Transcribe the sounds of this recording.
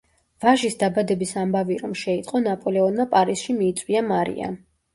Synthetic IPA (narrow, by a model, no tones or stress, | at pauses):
v̥aʒisd̪abad̪ɛbisambaviɾɔmʃɛit̪ʼqʼɔnapʼɔlɛɔnmapʼaɾisʃimiːt̪sʼwiamaɾḭa̰